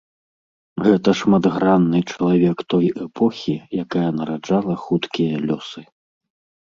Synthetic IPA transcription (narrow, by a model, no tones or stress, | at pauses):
ɣɛt̪ɐʂmad̪ɣɾanːɨt͡ʂɐlˠavʲɛkt̪ɔjɛpʰɔxʲijakajɐnɐɾad͡ʐalˠɐxut̪kʲijɐlʲɔsɨ